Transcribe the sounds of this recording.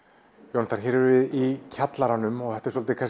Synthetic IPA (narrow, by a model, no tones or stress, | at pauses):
jownt̪ʰaɾ̥çɛːɾɾvɪðicʰat̪laɾanʏmɔɣθɛht̪ɛɾsɔlt̪ɪkʰas